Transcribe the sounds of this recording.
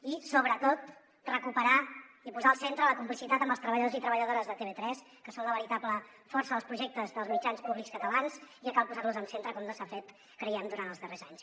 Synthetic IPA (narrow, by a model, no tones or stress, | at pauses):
isoβɾət̪ot̪ | rəkupəɾa | ipuzaəlˠsent̪ɾələkumplisit̪at̪əmbəlst̪ɾəβəʎðozit̪ɾəβəʎəðoɾəzðət̪eβet̪ɾɛs | kəsonləβəɾit̪aplə | fɔrsəəlˠspɾuʒɛk̚t̪əzðəlˠzmid͡ʒanspuβlikskət̪əlanzikəkalˠpuzarluzəmsent̪ɾəkɔmləsafet̪ | kɾəiɛmd̪uɾant̪əzðərezaɲs